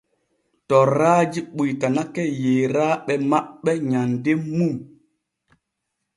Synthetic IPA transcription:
tɔraːd͡ʒiɓujtanakɛjeːɾaːɓɛmaɓːɛɲandemːum

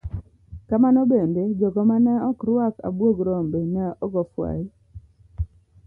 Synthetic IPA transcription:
kamanɔbended͡ʒɔɡɔmanɛɔkɾwaka̰bwoɡɾombenɛɔɡɔfwa̰ji

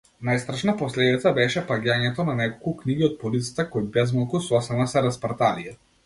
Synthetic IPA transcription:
najst̪ɾaʃnapɔslɛd̪it̪sabɛʃɛpaɡʲaɲɛt̪ɔnanɛkɔlˠkukniɡiɔt̪̚pɔlit̪sḁt̪akɔjbɛzmalˠkusɔsɛlnasɛɾaspaɾt̪alija

